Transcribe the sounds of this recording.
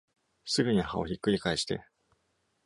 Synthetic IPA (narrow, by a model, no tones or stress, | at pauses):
sɨbeɲ̟iha̰o̞̰çikːɯ̟ɾʲikaiɕi̥t̪e̞̰